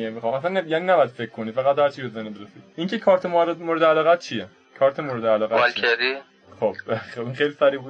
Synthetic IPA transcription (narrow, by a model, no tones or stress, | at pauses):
iemixɑːmæsænːjæːninæbɔjæd̪̥fekʰːkʰːo̞nifæɣæt̪hæɾt͡ʃʰiɾozænibeɾesiiŋcʰekʰɒːɾt̪ʰemoɾemoːɾed̪eælɒːɣæt̪̚t͡ʃʰije | kʰɒːɾt̪ʰemoːɾed̪eælɒːɣæɑlkʰeɾi | χobeinχejlisæɾiːbuːd̪